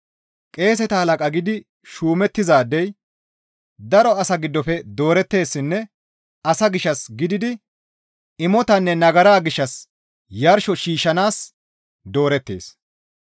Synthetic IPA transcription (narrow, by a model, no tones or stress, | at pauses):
kʼe̞ːs̬ɛt̪ɐhɐlɐkʼɐɡɪd̪ɪ | ʃuːmɛt̪ːɪzaːd̪ːɛj | d̪ɐɾɔɐsɐɡɪd̪ːɔfɛd̪o̞ːɾɛt̪ːe̞ːsːɪnːɛ | ɐsɐɡɪʃːɐsɡɪd̪ɪd̪ɪ | ɪmɔt̪ɐnːɛnɐɡɐɾaːɡɪʃːɐs | jɐɾʃɔʃiːʃɐnaːs | d̪o̞ːɾɛt̪ːe̞̰ːs